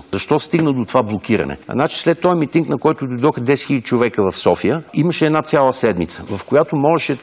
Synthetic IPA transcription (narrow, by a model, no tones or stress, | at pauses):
zɐʃt̪ɔst̪iɡnəd̪ot̪ovablˠokiɾə̰nɛ̰nat͡ʃi̥slɛt̪ːɔjɛmit̪iŋknɐkɔjt̪ʊd̪ojd̪ɔxd̪ɛsxilʲəd̪ʲit͡ʃovɛkəvɐfsɔfijəiməʃɛɛːd̪nat̪sʲalˠəsɛd̪mit̪səvɐfkojat̪omɔʒɛʃɛ